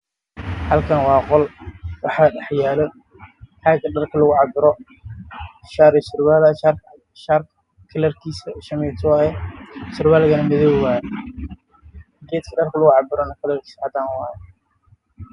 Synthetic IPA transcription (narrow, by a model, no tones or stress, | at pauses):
hɐlkʰɐnwɑːqɔlwɑħaɗɐħjaːlɔ | ħaɡɐɖɐrkʰɐlʊɣʊʕɑbɪɾɔ | ʃaːɾɪʃɪrbaːlʃar | ʃar | kʰɐlɐrkʰiːsɐʃɐmɛt̪ʰwaɛʃɪrbaːlɣɐnɐmɐðɔwwaː | ɡɛːt̪kʰɐɖɐrkʰɐlʊɣʊʕɑbɪɾɔnɐkʰɐlɐrkʰi̥shɐd̪aːnwɑːjɛ